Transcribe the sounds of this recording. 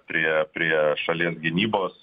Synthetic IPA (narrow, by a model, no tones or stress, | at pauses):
pʲɾʲiɛpʲɾʲiɛʃɐlʲiɛsɡʲɪnʲiːboːs